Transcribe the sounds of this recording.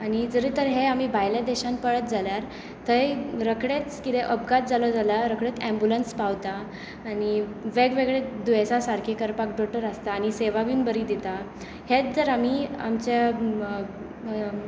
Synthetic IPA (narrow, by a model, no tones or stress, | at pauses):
añid͡zəɾiːt̪əɾɦeam̤iːbʱajlad̪ɛɕãnpəɭət̪̚d͡zaljaɾ | t̪əjɾəkɽet͡skit̪eʔəpɡat̪̚d͡zalod͡zalaɾəkɽet̪ɛ̃mbulənspaʋt̪aː | ñiʋeɡʋeɡɭed̪uesasaɾkʰekəɾpakɖɔʈəɾast̪aːɽ̃iseʋaʋinbəɾid̪it̪a | het͡sd͡zəɾam̤ia̰mt͡ɕa